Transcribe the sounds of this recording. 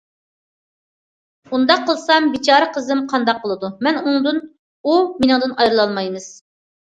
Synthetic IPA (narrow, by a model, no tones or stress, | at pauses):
und̪ɑqʰːəlˠsɑmbit͡ʃʰɑːɾəqʰəzɨmqʰɑnd̪ɑqʰːəlˠɨd̪umɛnuŋd̪ɨn | uminɨŋd̪ɨnɑjɾɨlˠɑlˠmɑjmɨz̥